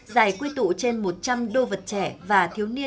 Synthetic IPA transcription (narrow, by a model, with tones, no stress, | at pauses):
zaː˧˩jkwi˧t̪ṵ˧˨t͡ɕe˧nmo˨˩t̚t͡ɕa˧mɗo˧və˨˩t̚t͡ɕɛ˧˩vaː˨˩t̪ʰi˨˦əwni˧ə